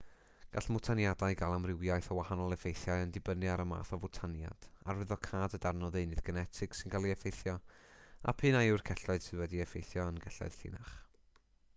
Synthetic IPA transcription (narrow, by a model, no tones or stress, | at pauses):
ɡ̥aɬmʊtʰanjadaɨɡalˠamrɪwjajθəwahanɔlˠɛfejθjajəndɪbənɨaɾəma̰ːθɔvʊtʰanja̰d̥arwɪðɔkʰaːdədarnɔðejnɨðɡənɛtʰɪɡ̥sɪnɡalˠiɛfejθjɔa̰pʰɨːnajurkʰɛɬɔɨð̥sʰɪwɛdiɛfejθjɔənɡɛɬɔ̰ɨð̥ɬɪ̰naχ